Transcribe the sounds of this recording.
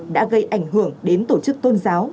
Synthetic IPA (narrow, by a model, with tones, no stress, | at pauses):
ɗa̰ː˧˥ɣə˧jʔa˧˩jŋ̟hɨ˧˩əŋɗe˨˦nt̪o˧˩t͡ɕɨ˦˥k̚t̪o˧nzaː˨˦w